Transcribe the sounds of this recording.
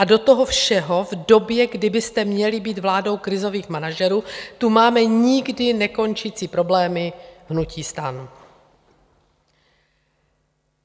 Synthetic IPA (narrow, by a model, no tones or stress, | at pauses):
ʔado̞t̪oɦofʃɛɦo̞vdo̞bjɛɡdɪbɪst̪ɛmɲɛlɪbiːt̪vlaːdo̞wkɾɪzo̞viːxmanaʒɛɾuːt̪umaːmɛɲɪɡdɪnɛko̞nt͡ʃɪt͡siːpɾo̞blɛːmɪɦnuciːst̪anu